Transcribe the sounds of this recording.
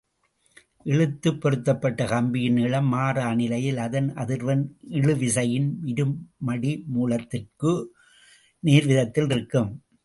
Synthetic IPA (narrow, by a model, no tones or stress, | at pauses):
ʔɛɭɯt̪ːɯpːɔɾɯt̪ːɐpːɐʈːɐkɐmbɪjɪnɪɭɐmːaːraːnɪlɐjɪlɐðɐnɐðɪɾʋɐnɪɻɯʋɪsɐjɪnmɪɾɯmːɐɽimuːlɐt̪ːɪrkɯ | niːɾʋɪðɐt̪ːɪlɪɾɯkːɯm